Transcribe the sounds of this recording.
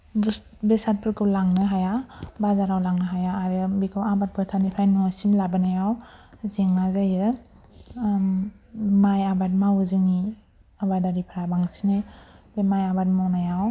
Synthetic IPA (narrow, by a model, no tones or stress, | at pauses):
b | besat̚pʰɯɾkʰɯwlaŋnɯɦajabazaɾawlaŋnɯɦajaːɾɯbikʰɯwabat̚pʰɯtʰanipʰajnɔsimlabɯnajawzeŋazajɯ | majabat̚mawɯzɯŋni | abadaɾipʰaɾabaŋsinebemajabat̚mawnajaw